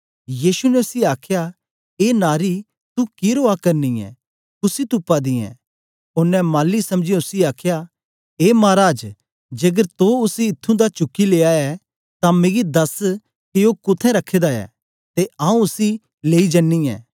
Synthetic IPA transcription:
jiːsunɛʊsiaːkʰja | eːnaːɾi | t̪ukɪɾoːakɐɾniɛ̰ | kʊsit̪ʊpːad̪ĩɛ̰̃ | ʊnɛmaːlːisɐ̃md͡ʒiʊsiaːkʰja | eːmaːɾaːd͡ʒ | d͡ʒeːɡəɾt̪oʊsiɪt̪ʰːũd̪at͡ʃʊkːileːaɛ | t̪ameːɡid̪ɐs | kioːkʊt̪ʰɛ̃ɾɐkʰːeːd̪aɛ̰ː | t̪eãːũʊsi | leːid͡ʒɐnːiɛ̰ː

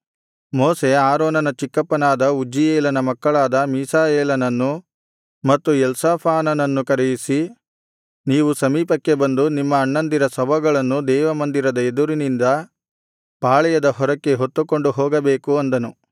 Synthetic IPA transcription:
moːse̞aːɾoːnɐnɐt͡ʃikːɐpːɐnaːd̪ɐud͡ʒijeːlɐnɐmɐkːɐɭaːd̪ɐmiːsaːjeːlɐnɐnːu | mɐt̪ːujɛlsaːpʰaːnɐnɐnːukɐɾejisi | niːʋusɐmiːpɐkːe̞bɐnd̪unimːɐːɳːɐnd̪iɾɐsɐbʱɐɡɐɭɐnːud̪ɛːʋɐmɐnd̪iɾɐd̪ɐed̪uɾinind̪ɐ | paːɭɛjɐd̪ɐɦɔɾɐkːe̞ɦot̪ːuko̞ɳɖuɦɔːɡɐbeːkuɐnd̪ɐnu

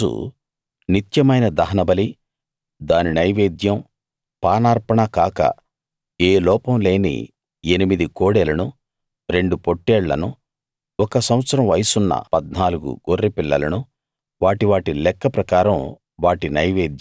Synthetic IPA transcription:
ṵ | nit̪jɐmɐjnɐd̪ɐɦɐnɐbɐli | d̪aːninɐjʋeːd̪jɐm | paːnaːɾpɐɳɐkaːkɐ̰ | eːlɔːpɐmle̞ːnḭ | enimid̪ikoːɽelɐnu | ɾe̞ɳɖupoʈːɛːɭːɐ̰nu | ɔkɐsɐw̃ɐt̪sɐɾɐ̃mʋɐjsunːɐ̰pɐd̪naːluɡṵɡorːipilːɐ̰lɐnu | ʋaːʈiʋaːʈilɛkːɐpɾɐkaːɾɐm | ʋaːʈinɐjʋeːd̪jɐ

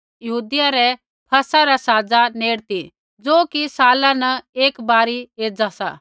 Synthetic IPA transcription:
jɐɦuːd̪ɪjaɾɛ | pʰɐsaɾasaːd͡zaneːɽt̪i | d͡zoːkisaːlanɐeːkbaːɾieːd͡zasa̰ː

